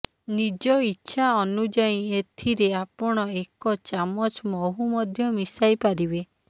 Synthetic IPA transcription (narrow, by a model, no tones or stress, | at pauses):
nid͡ʒɔitːʃʰaɔnud͡ʒaĩet̪ʰiɾeapɔɽ̃ɔekɔt͡ʃamɔt͡ʃmɔɦumɔd̪ʱjɔmisajpaɾibe